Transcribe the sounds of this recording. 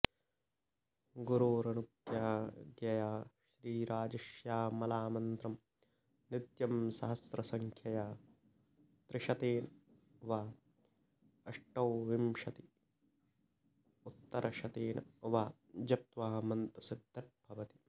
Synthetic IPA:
ɡuɾuːɾɐnukjaːɡjɐjaːʃɾiːɾaːd͡ʒɐʃjaːmɐlaːmɐnt̪ɾɐm | nid̪jɐmsɐɦɐsɾɐsɐŋkʰjɐjaː | t̪ɾɪʃɐt̪eːnɐ | ʋaː | ɐʂʈɐwʋimʃɐt̪i̥ | ut̪ːɐɾʔɐʃɐt̪eːnʔɐʋaː | d͡ʒɐp̚t̪ʋaːmɐnt̪ɐsid̪ʱːɐʈ̚bʱɐʋɐt̪i̥

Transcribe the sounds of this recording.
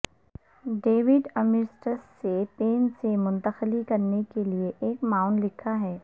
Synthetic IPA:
ɖeːʋɪɖɐmɪɾsʈəsːepeːnsemʊ̃nt̪əxlikɐɾnekelieʔeːkmaːʊɳɖlɪkʰaɦɛː

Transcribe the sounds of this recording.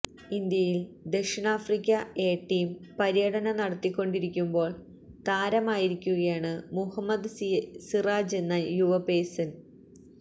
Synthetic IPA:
ind̪jɐjild̪e̞kʂɐnaːfrikʲːɐeːʈːiːmpɐɾijɐɽɐnɐnɐɽɐt̪ːikʲːo̞ɳɖiɾikʲːumbo̞ːɭ | t̪aːɾɐmaːjiɾikʲːuɣɐjaːɳɨmuhɐmːɐd̪siraːd͡ʑe̞nːɐjuʋɐpeːsɐn

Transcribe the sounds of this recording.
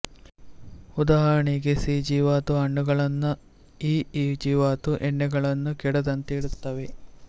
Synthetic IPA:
ud̪aːɦɐɾɐɳiɡesiːd͡ʒiːʋaːt̪uɐɳːuɡɐɭɐnːu | iːiːd͡ʒiːʋaːt̪uʔeɳːeɡɐɭɐnːukiɽɐd̪ɐnt̪eːɽut̪ːɐʋe

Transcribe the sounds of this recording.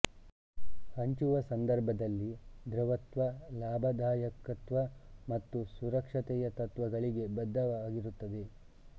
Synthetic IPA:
hɐɲt͡ʃuʋɐsɐnd̪ɐɾbʱɐd̪ɐlːid̪ɾɐʋɐt̪ʋɐlaːbʱɐd̪ʱaːjɐkɐt̪ʋɐmɐt̪ːusuɾɐkʂɐt̪ɛjɐt̪ɐt̪ʋɐɡɐɭiɡe̞bɐd̪ʱːɐʋaːɡiɾut̪ːɐd̪e̞

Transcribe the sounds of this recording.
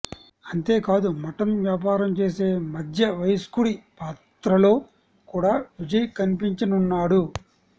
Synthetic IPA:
ɐnt̪e̞ːkaːd̪umɐʈɐmʋjaːp̬aːɾɐmt͡ʃe̞ːse̞ːmɐd̪ʱjɐʋɐjskuɽipaːt̪ɾɐlo̞ː | kuːɽaːʋid͡ʒɐjɐkɐnipiɲt͡ʃɐnunːaːɽu

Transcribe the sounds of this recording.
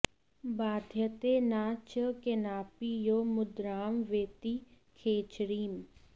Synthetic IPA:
baːd̪ʱjət̪enaːt͡ʃəkenaːpijoːmʊd̪ɾaːmʋeːt̪i | kʰeːt͡ʃɾiːm

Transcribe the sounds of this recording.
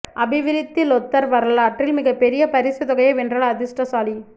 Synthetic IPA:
ʔɐbɪʋɪɾɪt̪ːɯlɔt̪ːɐɾʋɐɾɐlaːʈrɪlmɪɣɐpːɛɾɪjɐpɐɾɪsɐt̪ɔɣɐjɐʋɛndrɐlɐðɪsʈɐsaːli

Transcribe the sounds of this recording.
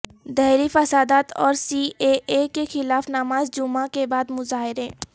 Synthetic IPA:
d̪ɛɦɾifɐsaːd̪aːt̪ʰɔ̰ːɾsiːʔeʔekexɪlaːfnamaːzd͡ʒʊmakebaːd̪mʊzaːɦɪɾɦẽː

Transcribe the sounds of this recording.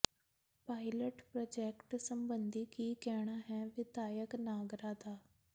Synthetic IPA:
paːɪləʈpɾoːd͡ʒɛːkʈsəmbə̃nd̪iːkiːkɛːɽ̃aːɦɛ̃ːʋɪd̪aːjəknaːɡɾaːd̪aː

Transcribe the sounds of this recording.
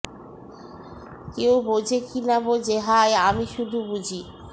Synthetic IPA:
kewbod͡ʑʱekinabod͡ʑeɦajamiʃud̪ʱubud͡ʑʱi

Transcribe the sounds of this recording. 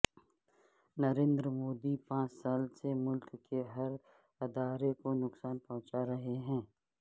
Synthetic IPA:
nɐɾẽːnd̪ɾəmoːd̪ipãːt͡ʃsaːlsemʊlkːeɦɐɾ | ɪd̪aːɾekonʊksaːnpɔ̃ɦʊ̃t͡ʃaɾɐɦeɦɛ̃ː

